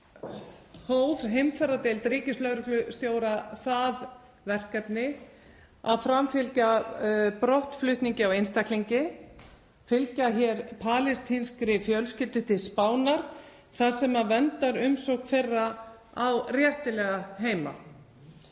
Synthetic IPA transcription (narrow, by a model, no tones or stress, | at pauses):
hoːwðɦejmfɛɾat̪ɪlt̪ɾiːcɪslœɣɾʏlʏst̪joːwɾaθað | vɛr̥kap̪nɪ | a̰ðfɾamfɪlcapɾɔht̪flʏht̪niɲcɪawejnst̪akliɲcɪ | fɪlcaçɛɾpʰaːlɪst̪hɪnskɾɪfjœlscɪlt̪ɪt̪ʰɪðspaːwnaɾ̥ | θaðsɛmavɛnt̪aɾʏmsowhkfejrːa | awrjɛht̪ɪlɛɣaɦeːjma̰